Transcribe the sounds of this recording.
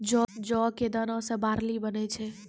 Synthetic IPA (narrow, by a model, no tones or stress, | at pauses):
d͡ʒɔd͡ʒɔked̪ənɔ̃sẽbaɾlibənet͡ʃʰɛ